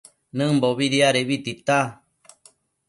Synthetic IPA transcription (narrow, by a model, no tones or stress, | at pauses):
nɨ̃mboβiɾiaɾeβit̪it̪a